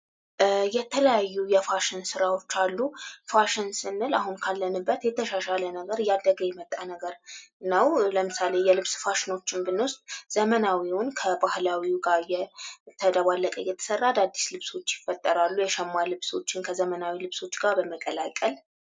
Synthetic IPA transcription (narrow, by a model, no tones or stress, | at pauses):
jɛt̪ʰələjajːujɛfaʃɪnsɨɾawo̞t͡ʃːalːufaʃɪnsɨnːɨlaɦunkʰalːənɨbːət̪jɛt̪ʰəʃaʃalənəɡəɾjad̪ːəɡəjɛmət̪ʼːanəɡəɾɨnːəwləmɨsalejɛlɨβsfaʃɪno̞t͡ʃːɪnbɨnwʊst̪ʼz̥əmənawiwʊnkʰəbahlawiɡaɾjɛt̪ʰəd̪əβalːəkʼəjːɛt̪ʰə̥sərːad̪ad̪ːi̥slɨβso̞t͡ʃːjɪfːət̪ʼːəɾalːujɛʃɛmːalɨβso̞̰t͡ʃːɪnkʰəzəmənawilɨβso̞t͡ʃːɡaɾbəməkʼːəlakʼəl